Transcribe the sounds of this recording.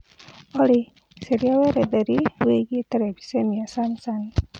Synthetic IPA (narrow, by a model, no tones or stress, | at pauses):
ɔli | seɾiawɛɾɛðɛɾiweɡietɛɾɛbi̥semiasanisani